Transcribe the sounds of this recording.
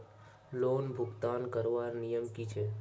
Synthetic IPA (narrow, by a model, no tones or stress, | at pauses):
loːnbʱʊɡt̪aːnkəɾʋaɾnijəmkit͡ʃʰɛ